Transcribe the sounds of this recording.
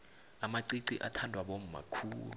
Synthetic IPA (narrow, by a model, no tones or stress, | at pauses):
amaǀiǀiʔa̰tʰandʱwaɓom̩ma̰kʰuːlu